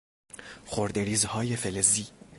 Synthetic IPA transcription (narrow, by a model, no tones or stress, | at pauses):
xoɾd̪eɾiːzhɒːjefeleziː